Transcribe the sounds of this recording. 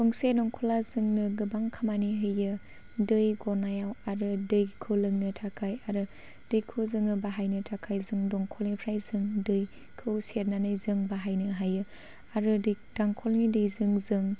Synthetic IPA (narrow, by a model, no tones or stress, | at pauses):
dɔŋsedɔŋkʰɔlazɯŋnɯɡɯbaŋkʰamaniɦɯjɯ | dɯjɡɔɾnajawaɾɯdɯjkʰɯwlɯŋnɯtʰakʰajaɾɯ | dɯjkʰɯzɯŋɯbaɦajnɯtʰakʰajzɯŋdɔŋkʰɔlŋipʰɾajzɯŋdɯj | kʰɯwseɾnanɯjzɯŋbaɦajnɯɦajɯ | aɾɯdɯj | d̥aŋkʰɔlnidɯjzɯŋzɯŋ